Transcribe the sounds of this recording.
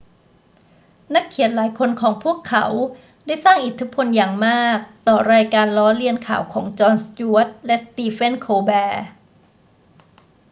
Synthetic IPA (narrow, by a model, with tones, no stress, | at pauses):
na˦˥kʰːi˨˩˦nlaː˩˦jkʰo˧nkʰɔː˩˦ŋpʰuː˥˩əkʰːa̰˩˦w | daː˥˩jsaː˥˩ŋʔi˨˩t̪ʰːi˦˥pʰo˧njaː˨˩ŋmaː˥˩k̚t̪ɔː˨˩ɾaː˧jkaː˧nlɔː˦˥li˧ənkʰaː˩˦wkʰɔː˩˦ŋt͡ɕɔː˧nst͡ɕuː˧˦˥t̪̚lɛ˦˥st̪iː˧fe˥˩nkʰoː˧bɛː˧